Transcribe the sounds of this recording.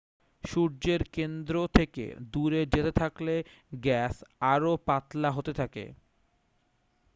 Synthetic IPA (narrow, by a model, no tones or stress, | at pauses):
ʃuɾd͡ʑeɾkend̪ɾot̪ʰekḛd̪uɾed͡ʑet̪et̪ʰakle | ɡɛsaɾopat̪laɦot̪et̪ʰakḛ